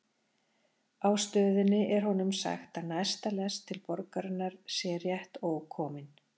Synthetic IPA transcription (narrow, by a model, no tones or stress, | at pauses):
awst̪œːðɪnːɪʔɛɾ̥hɔnʏmsa̰xt̪anajst̪alɛst̪ʰːɪlpɔɾkaɾɪnːaɾ̥sjɛrjɛht̪oːwkʰɔːmɪn